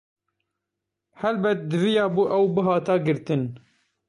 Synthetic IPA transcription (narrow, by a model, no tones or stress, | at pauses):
hɛlbɛt̪̚d̪ɨvijɑːbuːʔɛwbɨɦɑːt̪ɑːɡɨɾt̪ɨn